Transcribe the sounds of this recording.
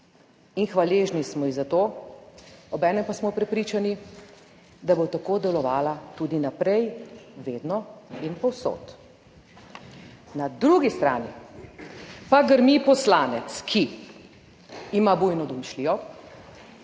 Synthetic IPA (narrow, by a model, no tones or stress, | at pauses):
inxʋaleːʒnismɔizat̪o | ɔbɛːnɛmpasmɔpɾɛpɾiːt͡ʃani | d̪abot̪akoːd̪ɛlɔʋaːlat̪ud̪inapɾɛjʋeːd̪nɔinpɔwso̰ːt̪ | nad̪ɾuɡist̪ɾa̰ːnḭ | paɡəɾmipɔslaːnɛt̪skʰi | mabujnɔd̪umʃliɔ